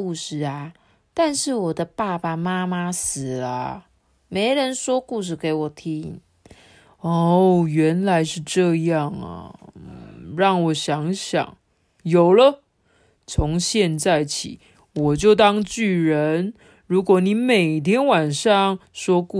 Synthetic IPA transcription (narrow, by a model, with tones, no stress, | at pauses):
u˥˧ʂɻ̩˥˩a˩ | t̪a˥˧nʂɻ̩˥˩wɔ˨˩d̪ə˦pa˥˩pa˨˩ma˥ma˦sɹ̩˨˩lə̰˦ | me˧˥ɪɻə˧˦˥nʂwɔ˥ku˥˧ʂ̬ɻ̩˥˩ke˧˥ɪwɔ˨˩t̪ʰi˦˥i˨˩˦ŋ | o˥˩ɥɛ˨˧˦nla˧˦ɪʂɻ̩˥˧ʈ͡ʂɤ˥˧jɑ˥˩ŋə̰˩ | ɻɑ˥˩ŋwɔ˨˩ɕjɑ˨˦ŋɕjɑ̰˨˩˦ŋ | jo˨˩ʊlə˦ | t͡sʰo˧˦ŋɕjɛ˥˧nt͡sa˥˩ɪt͡ɕʰḭ˨˦ | wɔ˨˩t͡ɕjo˥˩ʊt̪ɑ˥ŋt͡ɕy˥˩ɻə˧˦n | ɻu˧˥kwɔ˨˦ni˧˥˦me˨˩ɪt̪ʰjɛ˥nwa˨˩nʂɑ˥˨ŋʂwɔ˥ku˥˨